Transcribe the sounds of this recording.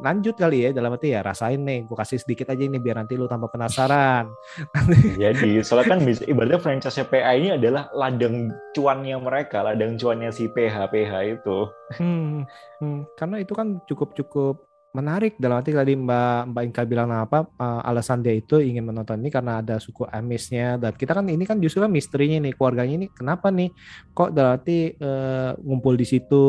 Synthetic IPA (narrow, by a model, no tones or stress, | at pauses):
laɲd͡ʒʊt̪̚kalijadalamat̪ijaɾa̰saɪnːɪhɡokasɪsədikɪt̪ad͡ʒainɪhbiarnant̪ilot̪ampapənasaɾan | aid͡ʒadisolat̪̚kanbisibaɾt̪afɾaɲt͡ʃasapeʔainiadalahladaŋt͡ʃuanjaməɾekaladaŋt͡ʃuanjasipeɦapeɦait̪um̩ | kaɾənait̪ukant͡ʃukʊp̚t͡ʃukʊp̚ | mənaɾɪk̚dalamat̪̬it̪adimbambaiŋkabilaŋnaapaəʔa̰lasandait̪uiŋɪnmənɔnt̪ɔninikarənaːdasukuʔamɪsɲadankit̪akaninikand͡ʒust̪ɾukanmist̪əɾiɲanɪhkluarɡaɲainikənapanɪhkɔʔdalamɦat̪iəːŋumpʊldisit̪u